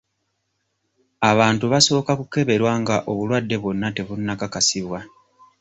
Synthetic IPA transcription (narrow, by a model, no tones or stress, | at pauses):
aβaːntuβaso̞ːkakuke̞βe̞ɾwaːŋɡaʔo̞βulwadːe̞βo̞nːate̞βunːakakasiβwa